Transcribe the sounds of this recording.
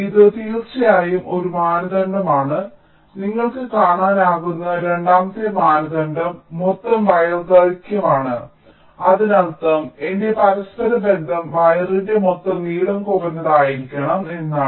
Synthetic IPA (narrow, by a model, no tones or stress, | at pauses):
iðɨt̪iːrʂɐjaːjumo̞ɾumaːnɐɣɐɳɖɐmaːɳɨ | niŋːɐɭkɨkaːɳaːnaːɣunːɐɾe̞ɳɖaːmɐt̪ːɐmaːnɐɣɐɳɖɐmːot̪ːɐmʋɐjɐrɡɐlikʲːɐmaːɳɨ | ɐðinɐlt̪ːɐmende̞pɐɾɐspɐɾɐbe̞nd̪ʱɐmʋɐjɐrinde̞mot̪ːɐmniːɽɐmkorenːɐðaːjiɾikʲːɐɳɐme̞nːaː